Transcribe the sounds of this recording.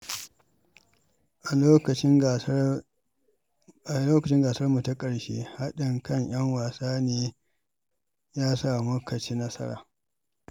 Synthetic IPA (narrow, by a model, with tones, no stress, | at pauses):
ʔa˨oː˦kɐ˨ɪ˦˨ | a˨loː˦kɐ˨t͡ʃɪ˦ŋɡaː˨sɐ˦rmu˨ta˦kʼɐ˨ɽʃḛː˦ha˦ɗɪ˨ŋkɐ˦˨ɲj̰ɐ˦ŋwaː˨saː˦neː˦ | jaː˦sa˦˨mʊ˦kɐ˨t͡ʃeː˦nɐ˦sɐ̰˦ɽa̰ː˨